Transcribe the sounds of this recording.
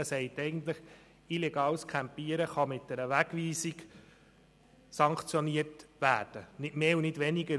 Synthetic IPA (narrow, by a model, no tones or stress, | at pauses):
əsɛɪtɛɪjɡənt̪ləχ | ilɛɡɑːwskʰæmpiəɾəχɑmɪt̚d̥ɛɾəʋæɡʋiːsiɡ | sɑŋkχt͡sjɔniətʋæːrd̥ənɪtmeːunɪdʋɛniɡə